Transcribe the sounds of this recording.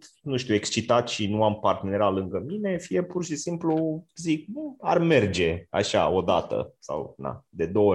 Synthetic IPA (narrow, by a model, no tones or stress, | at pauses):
nuʃt̪ʲue̞kst͡ʃit̪at̪ʃinuampart̪eneɾalɨŋɡəmine̞fije̞purʃisimpluzik̚ba̰rme̞rd͡ʒe̞a̰ʃa̰o̞d̪a̰t̪ə̰sa̰wd̪a̰d̪e̞d̪o̞wə